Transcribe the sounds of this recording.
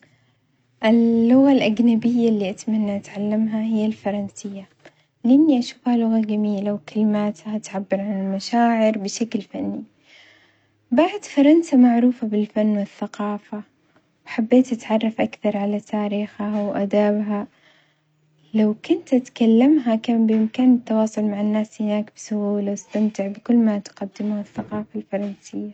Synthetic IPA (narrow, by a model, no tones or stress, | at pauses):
ʔɪlːʊɣalʔaɡnabɪjːalːiːʔat̪manːaʔat̪ʕalːamɦaɦɪjːalfɑɾˤɑnsɪjːa | lʔɪmniʔaʃu̥ːfhalʊɣaɡamiːlawkɪlɪmaːt̪haʔat̪ʕabːɪɾˤʕanɪlmaʃaːʕɪɾbɪʃaklfanːi | baʕd̪fɑɾˤɑnsamaʕɾuːfabɪlfanːwɪθːaqɑːfa | wħabːeːt̪ʔat̪ʕɑrˤːɑfʔakθɑɾˤʕalat̪ʰaːɾiːxawʔad̪aːbɦa | lawkʊnt̪ʔat̪kalːamɦakaːbɪʔɪmkaːnɪt̪ːɑwɑːsˤʊlmaʕɪnːaːshɪnaːkbɪsʊhuːlawɪst̪amt̪ɪʕbɪkʊlːmat̪qɑd̪ːɪmhaθːaqɑːfalfɑɾˤɑnsɪjːa